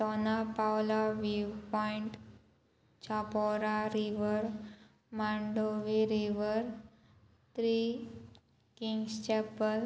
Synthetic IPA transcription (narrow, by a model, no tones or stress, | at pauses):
tɔnapawlaʋiʋpɔiɳʈ | t͡ɕʰapɔɾaɾiʋəɾ | maɳɖoʋiɾiʋəɾ | t̪ɾi | kiŋɡst͡ɕɛpəl